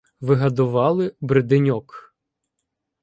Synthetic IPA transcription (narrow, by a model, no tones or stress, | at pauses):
ʋɪɦɐd̪ʊʋɑlˠɪbɾɪd̪ɪnʲɔk